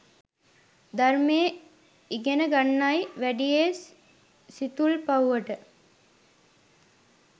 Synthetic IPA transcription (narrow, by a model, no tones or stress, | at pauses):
d̪armeː | iɡenəɡanːajʋæɖijes | sit̪ulpawuʋəʈə